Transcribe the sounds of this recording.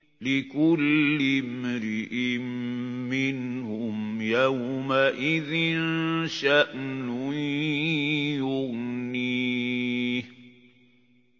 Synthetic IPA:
lɪkʊlːɪmɾɪʔɪmːɪnhʊmjawmaʔɪðɪnʃaʔnʊ | jʊɣniː

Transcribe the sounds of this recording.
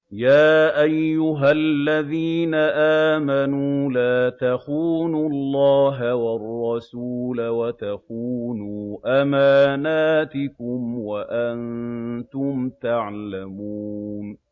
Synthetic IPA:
jaːʔajːʊɦalːaðiːnaʔaːmanuːlaːt̪aquːnʊlːɑːɦawɑrˤːɑsuːlawat̪aquːnuːʔamaːnaːt̪ɪkʊmwaʔant̪ʊmt̪aʕlamuːn

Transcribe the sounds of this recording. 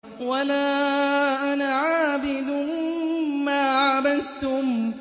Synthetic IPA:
walaːʔanaʕaːbɪd̪ʊ | mːaːʕabad̪t̪ʊm

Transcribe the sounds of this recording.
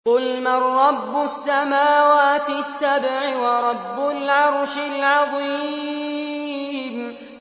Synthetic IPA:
qʊlmarˤːɑbːʊsːamaːwaːt̪ɪsːabʕɪwɑɾˤɑbːʊlʕɑɾˤʃɪlʕɑðˤiː | m

